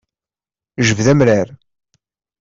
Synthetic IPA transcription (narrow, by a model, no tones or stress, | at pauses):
ʒəvðæmɾæɾ